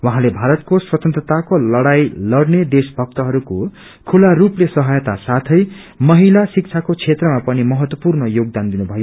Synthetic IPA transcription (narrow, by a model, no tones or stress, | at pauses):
waɦãlebʱaɾʌt̪̚koswʌt̪ʌnt̪rʌt̪akolʌɽajlʌɽned̪esbʱʌk̚t̪ʌɦʌɾuko | kʰularuplesʌɦʌjt̪asat̪ʰʌj | mʌɦilasik̚t͡sʰakot͡sʰet̪rʌmapʌnimʌɦʌt̪wʌpurnʌjoɡ̚d̪and̪inubʱʌjo